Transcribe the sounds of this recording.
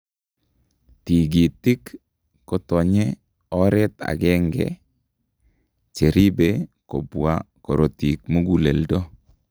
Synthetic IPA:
ti˨ɡi˨tːɪ˦kː | ɔ˨tɔ˨ɲɛ˦ | ɔ˦ɾɛ˦t̪a̰˨ɡɛ˦ŋɡɛ̰ | t͡ʃe˨ɾi˦be˦ko˨bwa̰˦ | kɔ˨ɾo˨ti˨k̚mo˦ɡu˨le˨ldɔ˦

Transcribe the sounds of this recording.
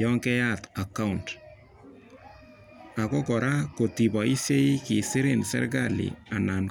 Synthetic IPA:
ɔ˦ŋkɛ˦ja˦ta˨ka˦ʊnt | a˨kɔ˦kɔ˨ɾa˦ko˨ti˨bɔ˨i˦sje˦i˦ki˨sɪ˦ɾɪ˨nsɛ̰˦rɡalḭ˨a˨na˨n

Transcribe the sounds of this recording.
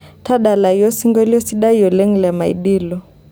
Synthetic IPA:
tʰa˦ɗa˨la˨ijɔ˦si˦ŋɡɔ˦li˦ɔ˦si˦ɗa˦i˦ɔ˨lɛ˦ŋ˨lɛ˨ma˨ḭ˨ɗi˦lɔ˨

